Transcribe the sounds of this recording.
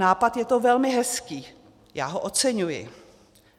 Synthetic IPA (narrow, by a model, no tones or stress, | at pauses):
aːpat̪jɛt̪ovɛlmɪɦɛskiː | jaːɦoʔot͡sɛɲujɪ̰